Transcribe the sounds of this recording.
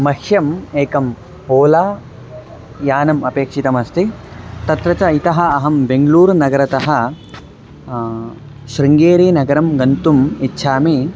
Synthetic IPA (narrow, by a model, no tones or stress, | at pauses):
mɐkʃjɐmeːkɐm | poːlaː | jaːnɐmɐpeːkʂit̪ɐmɐst̪it̪ɐt̪ɾɐt͡ʃɐit̪ɐɦɐɐɦɐmbeŋɡluːɾnɐɡɐɾɐt̪ɐɦɐ̆ | ʃɾiŋɡeːɾiːnɐɡɐɾɐmɡɐnt̪umitːʃʰaːmeː